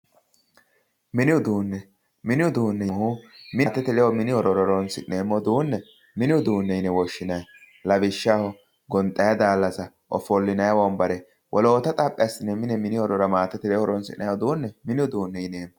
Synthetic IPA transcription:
mɪnɪʊd̪uːnːɛ | mɪnɪʊd̪uːnːɛhumɪt̪ːɛt̪ɪlɛwɔmɪnɪɔɾɔɾɔɾɔnsɪneːmːɔd̪uːnːɛ | mɪnɪʊd̪uːnːɛjɪnɛwɔʃːɪnɐj | lɐbɪʃːahɔ | ɡɔnt̪ʼːɐjɐd̪aːlːɐsɐ | ʔɔ̰fɔlːɪnɐjɐwɔmbɐɾɛ | wʔɔlo̞ːt̪ɐt̪ʼɐpʼːɪɐsɪnːɛmɪnɛmɪnɪɔɾɔɾɐmaːt̪ːɛt̪ɪlɛɔɾɔnsɪ̰nɐjɔd̪uːnːɛmɪnɪʊd̪uːnːɛɪneːmːɔ

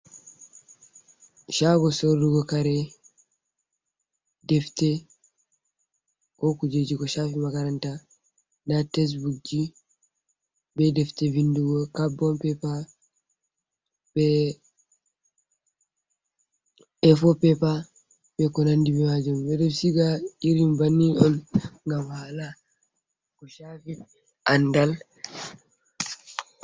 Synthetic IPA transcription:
ʃaɡɔsoɾduɡɔkaɾɛ | dɛftɛ | kɔkud͡ʒed͡ʒikɔʃafimakaɾanta | ndatɛs̬buk̚d͡ʒi | bɛdɛftɛvinduɡɔkabɔmpɛpa | bɛ | ɛfɔpɛpa | bɛkɔnandibɛmad͡ʒumbɛdɔsiɡaiɾimbanːiʔɔnŋɡamhala | kɔʃafi | ʔandal

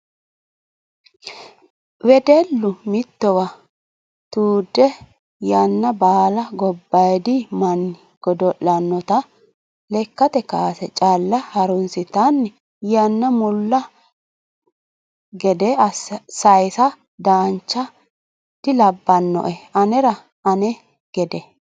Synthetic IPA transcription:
wɛd̪ɛlːʊmɪt̪ːɔwɐ | t̪uːd̪ːɛ | jɐnːɐbaːlɐɡɔbːɐjd̪ɪmɐnːɪ | ɡ̥ɔd̪ɔʔːɐnːɔt̪ɐ | lɛkːɐt̪ɛkaːsɛt͡ʃʼaːlːɐhɐɾʊnsɪt̪ɐnː | jɐnːɐmʊlːɐ | ɡɛd̪ɛɐssɐjsɐ | d̪aːnt͡ʃːɐ | d̪̥ɪlɐbːɐnːɔ̰ʔɛɐnɛɾɐ | ɐnɛ | ɡ̥ɛd̪ɛ

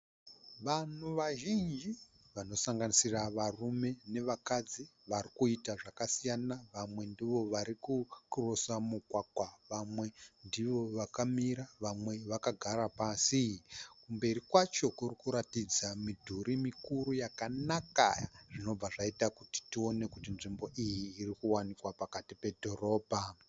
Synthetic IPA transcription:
ʋan̤uʋaʒind͡ʒi | ʋano̞saŋɡanisiraʋarume̞ne̞ʋakad͡ziʋarikuitaʐakasijanaʋamwe̞ndiʋo̞ʋaɾikukrosamukwakwaʋamwe̞ndiʋo̞ʋakamiɾaʋamwe̞ʋakaɡʱaɾapasikumbe̞ɾikwat͡ʃo̞kurikuɾatid͡zamidʱuɾimikuɾujakanaka̰ja̰ʐ̥ino̞b͡vaʐaitakuti̥tio̞ne̞kutinʐimbo̞ʔijiːrikuwanikwapakatipe̞dʱo̞ro̞ːbʱa

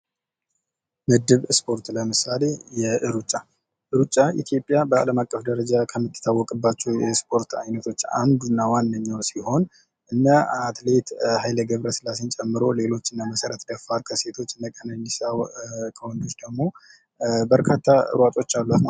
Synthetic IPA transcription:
mɨd̪ɨβspʰo̞ɾt̪ləmɨsale̞jɛʔɨɾut͡ʃʼːa | ʔɨɾut͡ʃʼːaʔḭt̪ʰjo̞pʼːjabəa̰ləmakʼːəfd̪əɾəd͡ʒakʰəmːɨt̪ːɨ̥t̪ʰawːɔkʼɨbːat͡ʃːɛwjɛspʰo̞ɾt̪ʰa̰jnət̪ʰo̞t͡ʃːa̰nd̪unːawanːəɲːawsiho̞n | ʔɨnːaat̪let̪hajləɡəβɾəsɨlasənt͡ʃʼɛmːɨɾo̞le̞lo̞t͡ʃːɨnːaməsəɾət̪d̪əfaɾkʰəse̞t̪ʰo̞t͡ʃːɨnːəkʼənənisawkʰəwɔnd̪ot͡ʃʼːd̪əɡmo̞ | bəɾkʰat̪ʰːaɨ̰ɾwat̪ʼo̞t͡ʃːalːat̪

